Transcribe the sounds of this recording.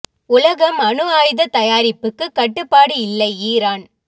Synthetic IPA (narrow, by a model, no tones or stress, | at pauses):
ʊlɐɣɐmɐɳɯaːjðɐt̪ɐjaːɾɪpːɯkːɯkːɐʈːɯpːaːɽɯɪlːɐɪiːɾaːn